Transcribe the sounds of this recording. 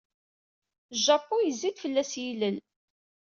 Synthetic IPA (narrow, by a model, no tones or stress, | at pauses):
ʒɑpːujəzːid̪fəlːæsjiləl